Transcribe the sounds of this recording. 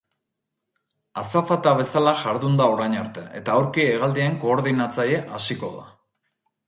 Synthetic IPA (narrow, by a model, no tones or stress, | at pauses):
asafat̪aβe̞salaʝaɾðund̪ao̞ɾajɲaɾt̪e̞ʔe̞t̪aːwɾkieɣald̪ieŋko̞ːɾðinat͡saje̞ʔasiko̞ða̰